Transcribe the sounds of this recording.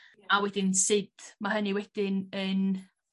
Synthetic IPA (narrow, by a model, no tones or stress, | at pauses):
awɛdɪnsɪd̥maɦəniwɛd̥ɪnən